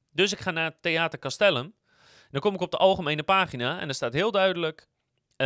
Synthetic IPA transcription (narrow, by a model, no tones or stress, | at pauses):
døsɪkχaːnaːətːeaːtərkastɛlˠəm | ndɔnkomɪkɔp̚dəʔɑlˠχəmejnəpaːχinaɛ̰ndɔstaːtɦɪəlˠdœɥdələk